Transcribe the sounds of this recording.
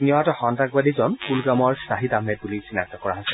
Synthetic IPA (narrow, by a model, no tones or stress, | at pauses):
niɔatɔxɔntak̚badizɔnpulɡamɔɹsaɦidamɛbulisinak̚tɔkɔɹaɦɔsɛ